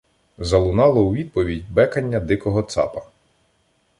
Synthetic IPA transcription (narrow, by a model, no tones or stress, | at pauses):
zɐlˠʊnɑlˠɔuʋʲid̪̚pɔʋʲidʲbɛkɐnʲːɐd̪ɪkɔɦɔt̪sɑ̰pɐ̥